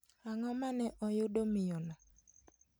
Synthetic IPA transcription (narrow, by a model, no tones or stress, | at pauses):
aŋɔmanɛʔɔjoɗomɪjɔna